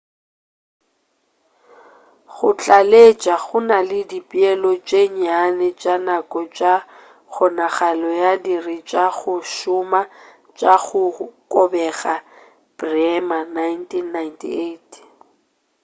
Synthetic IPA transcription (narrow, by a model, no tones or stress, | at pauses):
ɣʊt͡ɬʼalet͡ʃʼaɣʊnalɪdipʼiɛlɔt͡ʃʼeɲanɛt͡ʃʼanakʼɔt͡ʃʼa | ɣʰɔnaɣalɔjadirɪt͡ʃʼaɣʊʃʊma | t͡ʃʼaɣʊkʼɔbɛɣa | b̥rɛmanajntʰʼinːajntʰḭetʰ